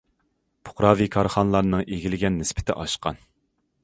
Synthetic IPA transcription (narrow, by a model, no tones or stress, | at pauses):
pʰʊ̥χɾɑːvikʰɑɾχɑnlˠɑɾnɨŋʔeɡʲilɪɡʲɛnːɪspʰɪ̥t̪ʰɪ̰ʔɑʃqɑ̰n